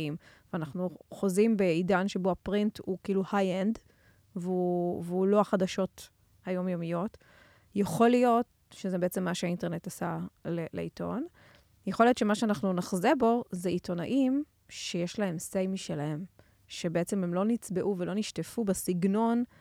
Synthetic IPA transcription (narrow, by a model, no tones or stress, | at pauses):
im | veanaχnuχozimbeidanʃeboapʁinthukiːluhajend | veuveulo̞aχadaʃo̞t | hajo̞mjomijo̞t | jeχo̞lijo̞t | ʃezebeet͡se̞mːaʃeainte̞ʁne̞tasalelḛito̞̰n | jeχoljo̞tʃe̞maʃeanaχnunaχzebo̞zeito̞naʔim | ʃejeʃlaɦe̞msejmiʃelahe̞m | ʃe̞beet͡sememlo̞nit͡sbe̞ʔuvelo̞niʃtefubesiɡno̞n